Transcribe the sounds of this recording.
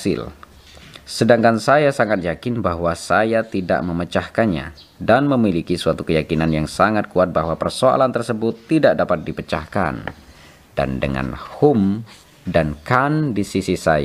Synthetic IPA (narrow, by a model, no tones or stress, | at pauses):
sɪ̰l | sədaŋkansajasaŋat̪̚jakɪnbaɦwasajat̪ida̰ʔməmət͡ʃahkanɲa̰ | danməmilikisuat̪ukəjakinanjaŋsaŋat̪̚kuat̪̚baɦwapərsoa̰lant̪ərsəbʊt̪ːidaʔ̚dapat̪̚dipət͡ʃa̰hka̰n | d̥a̰ndə̰ŋa̰nhum | dankandisisisaja